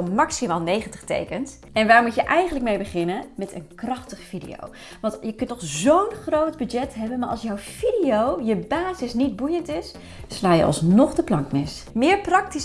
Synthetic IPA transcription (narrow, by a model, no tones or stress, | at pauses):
ɔmmːɑksimaːlˠnejχəntəχtḛjkəns | ɛnʋaːɹmutjəʔɛjχənləkmejbəχɪnənmɛtə̰nkrɑχtəχfidḭjo̰w | ʋɑntjəkɵntnɔχzownχrowdbyd͡ʒɛtɦɛbənmaːɹʔɑ̰lˠsjɔwfidijowjəbaːzɪsnid̚bujəntɪs | slaːjə̰ʔɑ̰lˠsnɔχdəplɑŋkmɪs | mɪːɹprɑkti